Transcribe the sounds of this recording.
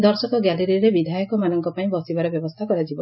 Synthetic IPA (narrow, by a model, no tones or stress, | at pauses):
d̪ɔɾsɔkɔɡaliɾiɾebid̪ʱajɔkɔmanɔŋkɔpaĩbɔsibaɾɔbjɔbɔst̪ʰakɔɾad͡ʒibɔ